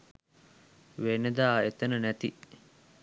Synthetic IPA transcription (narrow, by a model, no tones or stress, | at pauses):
ʋened̪aːet̪enənæt̪i